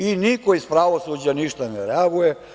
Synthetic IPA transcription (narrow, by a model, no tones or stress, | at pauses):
inikoispɾaʋosuːd͡ʑaniʃt̪aneɾeaɡuje